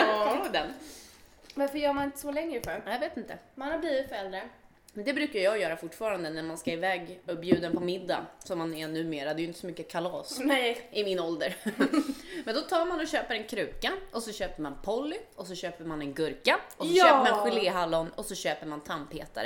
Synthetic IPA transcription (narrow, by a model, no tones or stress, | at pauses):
d̪ɛn | vaɾfəjœːɾmanɪnt̪ə̥sɔlɛŋɾəfœɾajaveːt̪ɪnt̪ə̰manhaɾbliːvɪt̪fœɾɛld̪ɾə | mɛnd̪ɛbɾʉ̟ːkaɾjɑːjœːɾafʊʈːfɑːɾand̪ənæɾmanskaɪvɛːɡɵpbjʉ̟ːd̪ənpɔmɪd̪ːa̰sɔmːanɛnʉ̟ːmeːɾad̪ɛjʏnt̪əsɔmʏkːəkʰalɑːsɛɪmɪnɔld̪əɾ | mɛnd̪ɔt̪ʰɑːɾmanɔɕøːpəɾɛnkʰɾʉ̟ːkaʔɔsɔɕøːpəmanpʰɔlːɪʔɔs̬ɔɕøːpəɾmanɛnɡɵɾkaʔɔssɔɕøːpəmannɧɪleːɦalːɔnɔsɔɕøːpəɾmant̪ʰampheːt̪a̰ɾə